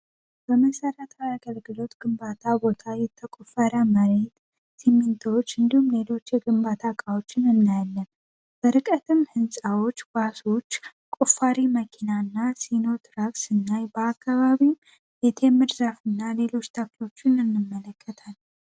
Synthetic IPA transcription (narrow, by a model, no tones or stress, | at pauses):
b̥əməsəɾət̪ʰajaɡəlɡɨlo̞t̪ɡ̥ɨmbat̪ʰabo̞t̪ʰajɛt̪ʰːəkʼufaɾjaməɾe̞t̪ | simːint̪ʰawot͡ʃːɨnd̪ihumle̞lo̞t͡ʃːjɛɡɨmbat̪ʰakʼawo̞t͡ʃːɪnɨnːajəlːəm | b̥əɾɨkʼət̪ʰɨmhɨnsʼawo̞t͡ʃːɡ̥aso̞t͡ʃː | kʼufaɾiməkʰinaɨnːasino̞t̪ɾaɡsɨnːajbəakːaβaβim | jɛt̪ʰemɨɾzafɨnːale̞lo̞t͡ʃːt̪ʰaklo̞t͡ʃːɪnɨnːɨmːələkʰːət̪ʰal